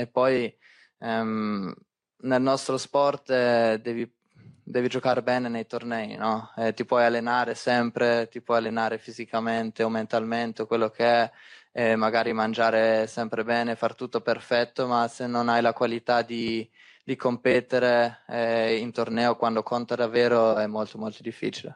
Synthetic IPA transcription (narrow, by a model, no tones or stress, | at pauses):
epːɔj | ɛ | nelnɔst̪ɾospɔrt̪d̪ɛːvi | d̪ɛːvid͡ʒokaɾebɛːnenejt̪ornɛːjnɔɛt̪ipwɔjalːenaːɾesɛmpɾet̪ipwɔjalːenaːɾefizikament̪eoment̪alment̪ekwelːokʰeɛɛmaɡaːɾimand͡ʒaːɾesɛmpɾebɛːnefart̪ut̪ːoperfɛt̪ːomasenːonajlakwalit̪ad̪i | d̪̥ikompɛt̪eɾeɛint̪ornɛːokwand̪okʰont̪ad̪avːɛːɾoɛmːolt̪omolt̪od̪ifːḭːt͡ʃile